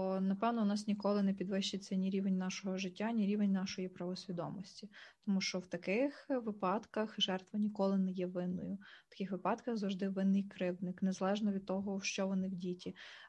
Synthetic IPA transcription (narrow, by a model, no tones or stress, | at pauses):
nɐpɛwnɔnɑsnʲikɔlˠɪnɛpʲid̪ʋɪʃt͡ʃɪt͡sʲːɐnʲiɾʲiʋenʲnɑʃɔɦɔʒɪtʲːanʲiɾʲiʋenʲnɑʃɔjipɾɐʋɔsʲʋʲid̪ɔ̰mɔsʲtʲit̪ɔmuʃt͡ʃɔwt̪ɐkɪxʋɪpɑd̪kɐxʒɛrt̪ʋɐnʲikɔlˠɪnɛjɛʋɪnːɔ̰jʊt̪ɐ̥kɪxʋɪpɑd̪kɐxzɐwʐd̪ɪʋɪnːɪjkɾɪwnɪknɛzɐlˠɛʒnɔʋʲid̪̚t̪ɔɦɔʃt͡ʃɔʋɔnɪwdʲitʲi